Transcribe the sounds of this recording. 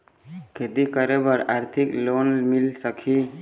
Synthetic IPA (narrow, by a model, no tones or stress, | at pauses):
kʰed̪ikəɾebəɾaːɾt̪ʰiklonmilsəkʰi